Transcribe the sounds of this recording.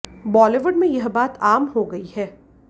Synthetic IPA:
bɔːleʋəɖmẽjɐɦbaːt̪aːmɦoɡɐihɛː

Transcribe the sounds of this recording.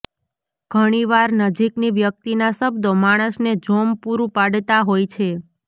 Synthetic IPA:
ɡ̥ʱəɽ̃iʋaɾnəd͡ʒikniʋjək̚t̪inasəbd̪omaɽ̃əsned͡ʒompuɾũpaɽt̪aɦojt͡ʃʰe

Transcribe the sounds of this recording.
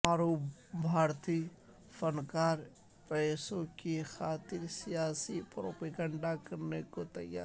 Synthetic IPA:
aːɾobʱaːɾt̪iː | fənkaːɾ | pɛːsõkixaːt̪ɪɾsijaːsipɾo̰ːpeːɡə̃ɳɖakɐɾnekot̪ɐja̰ː

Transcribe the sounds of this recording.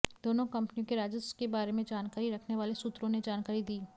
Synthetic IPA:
d̪̥oːnõkɐ̃mpnijõkeɾaːd͡ʒəskebaːɾemẽd͡ʒaːnkaːɾiɾɐkʰneʋaːlesut̪ɾõned͡ʒaːnkaːɾid̪iː

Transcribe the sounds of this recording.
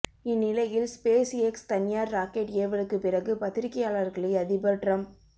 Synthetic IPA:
ɪnːɪlɐjɪlspeːsɛkst̪ɐnɪjaːɾːaːkeʈeːʋɐɭɯkːɯpɪrɐɣɯpɐt̪ːɪɾɪkːɐjaːɭɐɾɣɐɭɪɪɐðɪbɐʈrɐm

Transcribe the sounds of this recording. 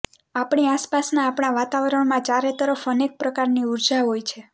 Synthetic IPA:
apɳiaspasnaːpɳ̃aʋat̪aʋɾəɳmãt͡ʃaɾet̪əɾəfənek̚pɾəkaɾniuɾd͡ʒaɦojt͡ʃʰe

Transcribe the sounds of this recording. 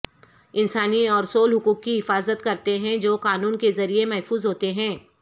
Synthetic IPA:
ɪnsaːniɔːɾsoːlɦʊkuːkːiɦɪfaːzət̪kɐɾt̪eɦɛ̃d͡ʒoːqaːnuːnkezɐɾiemɛɦfuːzɦoːt̪eɦɛ̃ː

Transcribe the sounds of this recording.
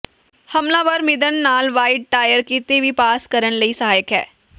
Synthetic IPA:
həmlãːʋəɾmɪd̪ənːaːlʋaːɪɖ̚ʈaːjəɾkit̪eʋiːpaːskəɾənləiːsəɦaːjəkɦɛː

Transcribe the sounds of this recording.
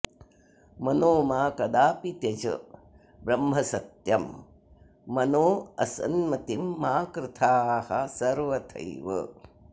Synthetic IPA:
mɐnoːmaːkɐd̪aːpit̪jɐt͡ʃɐ̰ | bɾɐmɦɐsɐt̪jɐmː | ɐnoːɐsɐ̰nmɐt̪imːaːkɾɪt̪ʰaːhɐsɐɾʋɐt̪ʰɐ̰jʋɐ̰

